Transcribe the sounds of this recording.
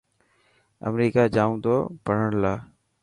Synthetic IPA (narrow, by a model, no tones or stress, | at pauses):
ə̰mɾiːkaːd͡ʒaːũːt̪oːpəɳ̤əɳlaː